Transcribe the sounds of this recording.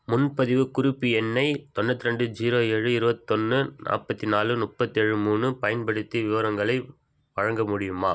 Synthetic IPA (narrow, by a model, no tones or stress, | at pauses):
mʊnpɐðɪʋɯkʊɾɪpːiɛnːɐɪt̪ɔnːɐt̪ːɪɾɛɳɖɯd͡ʒiːɾoːeːɻɯɪɾɯbɐt̪ːɔnːɯnʔa̰ːpːɐt̪ːinaːlɯnʊpːɐt̪ːiɛɻɯmuːnɯpɐjɐnpɐɽɯt̪ːiʋɪʋɐɾɐŋɡɐɭɐɪ | ʋɐɻɐŋɡɐmʊɽɪjɯmaː